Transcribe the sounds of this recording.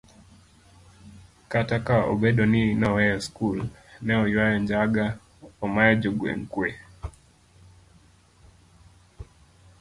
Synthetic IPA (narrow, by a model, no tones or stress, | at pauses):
katakaɔ̰ɓɛɗɔninawɛjɔskulnɛɔjwajɛnd͡ʒaɡa | ɔmajɛd͡ʒɔɡwɛ̰ŋ̩kwɛ